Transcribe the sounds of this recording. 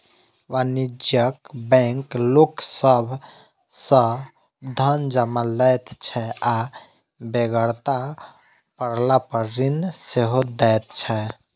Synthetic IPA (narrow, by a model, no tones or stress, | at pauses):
ʋanid͡ʒjəkbɛ̃ŋkloksəbʱ | sə̃ | d̪ʱənd͡ʒəmalɛt̪t͡ʃʰɛa | beɡəɾt̪a | pəɾlapəɾːinseɦod̪ɛjt̪̚t͡ʃʰɛ